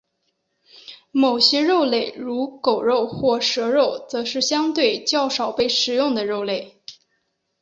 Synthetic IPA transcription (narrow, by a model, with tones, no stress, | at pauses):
mo˨˩ʊɕjɛ˥ɻo˥˧ʊle˥˩ɪɻu˧˥ko˨˩ʊɻo˥˧ʊxwɔ˥˩ʂɤ˧˥ɻo˥˩ʊt͡sɤ˧˥ʂɻ̩˥˩ɕjɑ˥ŋt̪we˥˧ɪt͡ɕjɑ˥˧ʊʂɑ˨˩ʊpe˥˩ɪʂɻ̩˨˩jʊ˥˩ŋd̪ə˩ɻo˥˧ʊle˥˩ɪ